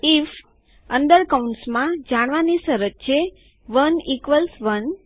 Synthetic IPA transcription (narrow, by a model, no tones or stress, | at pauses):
if | ənd̪əɾkaunsmãd͡ʒaɽ̃ʋanisəɾəd͡ʒ̚t͡ʃʰe | ʋənikʋəlsʋən